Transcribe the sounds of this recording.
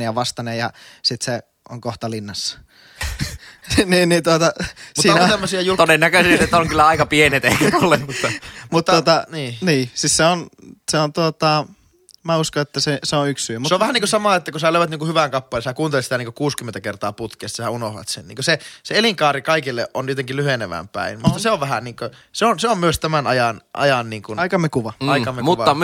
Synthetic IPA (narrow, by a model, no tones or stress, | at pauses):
iɑʋɑst̪ɑnejjɑ̰sit̪se | ʔo̰ŋkoht̪ɑlinːɑsːɑ̥ | niːnniːnt̪uot̪ɑsusiːntemːosiɑjut̪odenːækøsiset̪ːoŋkylːæɑikɑpienet̪eikæolːemmut̪ːɑmut̪ːuot̪ɑniːniːsisseonseont̪uot̪ɑ | mæuskoet̪ːæseseonykssyømseoʋæhæniːŋkosɑmɑˑet̪ːækosæløˑyʋæt̪niːŋkuhyʋæŋkɑpːɑlesækuːnt̪elet̪sit̪æniŋkokuːskymːent̪ækert̪ɑːput̪kiest̪ːsæunohʋɑ̰t̪sḛnnḭŋkoseseeliŋkɑːɾikɑikilːeʔʔontiet̪eŋkillyheneʋæ̰mpæ̰inmut̪ːɑseoʋʋæɦæniːŋkøseonseommyøst̪æmænɑjɑnʔɑ̰jɑnniːŋkunɑikɑmekuʋɑɑikɑmemuʋɑːɑ